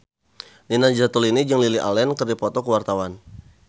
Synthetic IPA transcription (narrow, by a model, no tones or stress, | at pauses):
ninand͡ʒat̪ulinid͡ʒəŋliliʔa̰lɛnkərdipɔt̪ɔkəwart̪awan